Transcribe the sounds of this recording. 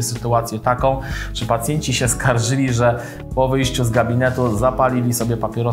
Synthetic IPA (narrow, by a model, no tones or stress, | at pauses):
ɛsɘt̪uat̪sʲjɛt̪akɔ̃w̃ʂɘpat̪sʲjɛɲt͡ɕiɕɛskaɾʐɘlʲiʐɛ | pɔvɘjɕt͡ɕuzɡabʲinɛt̪uzapalʲilʲisɔbʲjɛpapʲjɛɾɔ